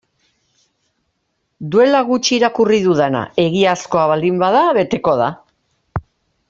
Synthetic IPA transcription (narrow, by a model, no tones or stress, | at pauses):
d̪ue̞laɣut͡ʃiːɾakuriðuðena̰e̞ɣiasko̞aβald̪imbaðaβe̞t̪e̞ko̞ð̞a̰